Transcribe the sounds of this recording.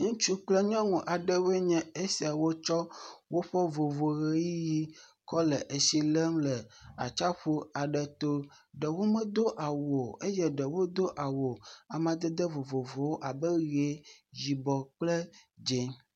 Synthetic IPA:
ŋũ˦t͡ʃu˦k͡plɛ˦ɲɔ̃˦ŋũ˨ʔa˨ɖɛ˦we˦ɲɛ̃˨e˦si˨a˨wo˦t͡ʃɔ˦wo˦ɸɛ˦vo˨vo˨ɣe˨ji˦ji˦kɔ˦lɛ˨ʔe˨si˦lɛ˦mlɛ˨a̰˨t͡ʃa˦ɸo˦a˨ɖɛ˨t̪o˦ | ɖɛ˨wo˦mɛ̃˦d̪o˦ʔa˨wo˨e˦jɛ˦ɖɛ˨wo˦d̪o˦ʔa˨wo˨a˨mã˨d̪ɛ˦d̪ɛ˦vo˨vo˨vo˨wo˦ʔa˨bɛ˦ɣe˨˦d͡ʒi˨bɔ˨k͡plɛ˦d͡ʒe˨

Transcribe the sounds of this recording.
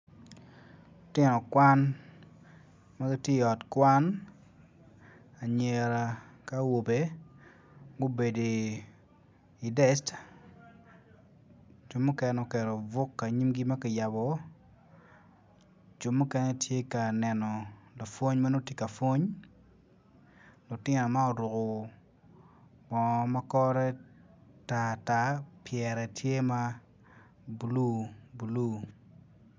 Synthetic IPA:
tɪ˦nɔ˨kwa˦n | ma˦ɡo˦tje˦i˨ɔ˨tkwa˦n | a˨ɲe˨ɾa˨ | ka˦wo˨be˦ | ɡo˦be˨de˨ | i˨dɛ˦st | t͡ʃu˦mːu˦kɛ˨nɔ˨kɛ˨ɾɔ˨vʊ˦kːa˨ɲi˦mɡi˦ma˦kɪ˨ja˨bɔ˨˦ | d͡ʒo˨mːʊ˦kɛ˦nɛ˦tʰje˦ka˨nɛ˨nɔ˨la˨fwo˦ɲma˦no˦tje˦ka˨fwo˦ɲ | lʊ˨tɪ˦nɔ˨ma˦o˨ɾʊ˨kʊ˨ | bɔ˨ma˦kɔ˦ɾɛ˦ | ta˨ta˦pjɛɾɛ˨tʰje˦ma˦ | bu˨lu˦bu˨lu˦

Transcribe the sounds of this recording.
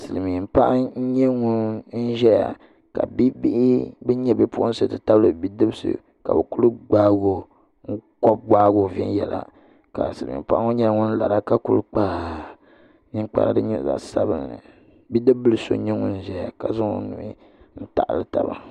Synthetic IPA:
sɨ˨lmi˨m̩˨pa˦ʔa˦ɲɛ˦ŋu˦n̩˦ʒɛ˦ja̰˨ | ka̰˨bi˦bi˦ʔɪ˦bɛ˦ɲɛ˦bɨ˦pu˦ʔʊ˦n˦sɨ˦˨tɨ˨ta˦blɨ˨bi˦dɨ˦bsɨ̰˨ | ka̰˨bɨ˨ku˦lɨ˦ɡ͡baː˦ɡo˨ | ŋ̩˦kɔ˦p̚ɡ͡baː˦ɡo˨vɛ˦n˦jɛ˨la̰˨ | ka̰˨sɨ˨lɨ˨mḭ˨m˨pa˦ʔa˦ŋu˦ɲɛ˦lŋu˦n˦la˨ɾa˦ka˦ku˦lɨ˦k͡pa˦ | ɲi˦ŋk͡pa̰˨ɾ̰dɨ˦ɲɛ̰˦˨za̰˨ʔsa˦bɨ̰˦nnɨ̰˨ | bi˦dɨ˦bːɨ˦lɨ˦so̰˦ɲɛ˦ŋu˦n̩˦ʒɛ˦ja˨ka˨zʊ˦ŋo̰˦nu˨mi˦ | n̩˦ta̰˨ʔlɨ˦ta˨ba̰˨

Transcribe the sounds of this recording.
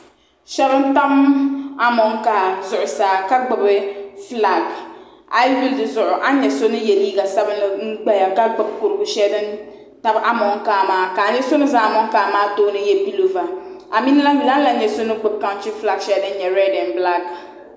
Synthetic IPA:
ʃɛ˦bɨ˦n̩˦ta˦ma˦mɔ˨˦ŋ˦ka˨zʊ˨ʔʊ˨saː˨˦ka˦ɡ͡bɪ˨bɨ˦fla˨ɡ | a˦jwi˦ldɨ˨zʊ˨ʔʊ˨ʔa˦ɲɛ˨so˦nɨ˦jɛ˨liː˦ɡa˨sɛ˦bɨ˦nɨ˦ŋ̩˦ɡ͡bɛ˦ja˨ka˦ɡ͡bɨ˨bkʊ˨ɾɨ˨ɡʊ˨ʃɛ˦dɨ˦n | ta˦bʔa˨mɔ˨˦ŋkaː˨˦maː˨˦ka˨ɲɛ˦so˦nɨ˦zaː˨a˨mɔ˦ŋ˦kaː˨maː˦toː˦nɨ˦jɛ˦bi˦lo˨va˨a˨mi˦na˦la˦˨la˦n˦la˨ɲɛ˨so˦nɨ˦ɡ͡bɨ˨b̚ka˦nti˦fla˨ɡʃɛ˦dɨ˦n˦ɲɛ˨ɾɛ˦dɛ˨nbla˦ɡ

